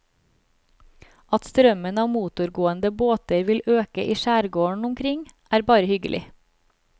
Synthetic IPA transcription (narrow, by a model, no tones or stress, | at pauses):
ɑt̪st̪ɾœmənɑːmuːt̪ʊɾɡoːənd̪əboːt̪əɾʋɪløːkəʔiːʃæːɾɡoːɳ̩ʊmkʰɾɪŋʔæːɾbɑːɾəhʏɡəlʔɪ̰